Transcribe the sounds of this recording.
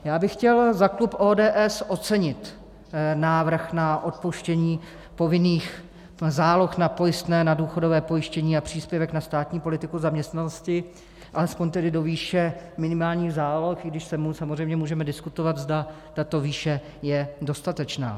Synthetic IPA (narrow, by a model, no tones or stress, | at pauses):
jaːbɪxcɛlzaklupʔoːdɛːʔɛsʔo̞t͡sɛɲɪt̪ | naːvr̩xnaʔo̞t̪̚poʃcɛɲiː | po̞vɪniːx | zaːloxnapo̞jɪst̪nɛːnaduːxo̞dovɛːpo̞jɪʃcɛɲiːapr̝̥iːspjɛvɛknast̪aːt̪ɲiːpo̞lɪt̪ɪkuzamɲɛst̪nanoscɪ | ʔalɛspo̞ɲt̪ɛdɪdo̞viːʃɛmɪnɪmaːlɲiːɣzaːloxɪɡdɪʃsɛmusamozr̝ɛjmɲɛmuːʒɛmɛdɪskut̪ovat̪zda | t̪at̪o̞viːʃɛ | jɛdo̞st̪at̪ɛt͡ʃna̰ː